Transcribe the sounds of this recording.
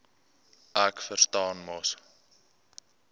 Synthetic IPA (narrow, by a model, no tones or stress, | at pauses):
ʔækfərstɑːnmɐs